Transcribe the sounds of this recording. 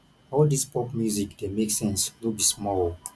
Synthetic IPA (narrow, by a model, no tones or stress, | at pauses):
ɔldispʰɔpmjuzikdemeksɛ̃nswibismɔlˠ